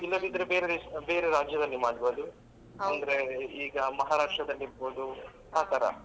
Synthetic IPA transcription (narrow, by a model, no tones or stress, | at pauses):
ilːɐd̪id̪ɐɾebeːɾeibe̞ːɾeɾaːd͡ʒjɐd̪ɐlːimaːɽboːd̪u | ɐnd̪ɐɾeiːɡɐmɐɦaːɾaːʂʈɾɐd̪ɐlːiɾboːd̪u | aːt̪ɐɾɐ̰